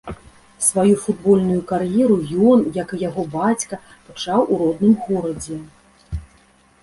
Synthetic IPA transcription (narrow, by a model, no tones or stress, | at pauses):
svajufud̪̚bɔlʲnujukarjɛɾujɔnjɐkɨjaɣɔbat͡sʲkɐ | pat͡ʂawʔuɾɔd̪nɨmɣɔɾɐd͡zʲɛ